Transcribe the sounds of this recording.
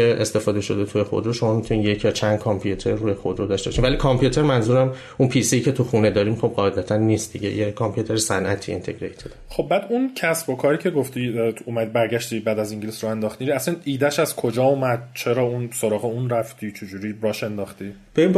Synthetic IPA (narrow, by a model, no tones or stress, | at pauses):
eḛst̪e̞fɒːd̪eʃo̞d̪et̪ʰujexo̞̰d̪ɾoʃo̞mɒːmit̪ʰuniːnje̞cʰjɒːt͡ʃʰænd̪̥̚kʰɒmpʰijut̪ʰe̞ɾːuːjexo̞d̪ɾod̪ɒʃt̪e̞bɒʃimvælikʰɒmpʰjut̪ʰe̞ɾmænzuːɾæm | ʔunpʰisiiːcʰe̞t̪ʰuxune̞d̪ɒːɾiːmχo̞b̚ɢɒːed̪æt̪ʰænːiːst̪̚d̪iɟḛjekʰɒmpʰjut̪ʰeɾesænʔæt̪ʰiːḛnt̪ʰe̞̰ɡɾejt̪ʰed̪χo̞bbæːd̪uncʰæsbokʰɒːɾicʰe̞ɡoft̪iumæd̪ibæɾɟæʃt̪ibæd̪æziŋɟelisɾɒend̪ɒːxt̪iɾæsæniːd̪æʃæzkʰo̞d͡ʒɒːumæd̪̥̚t͡ʃʰe̞ɾɒːunsoɾɒːɣeunɾæft̪ʰiːt͡ʃʰed͡ʒuɾiːɾɒːʃe̞nd̪ɒːxt̪i | b̥eim